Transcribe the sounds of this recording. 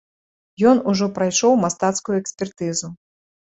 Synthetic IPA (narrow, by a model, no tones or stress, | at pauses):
jɔnuʐɔpɾajʂɔwmast̪at̪skujuɛksʲpʲɛrt̪ɨzu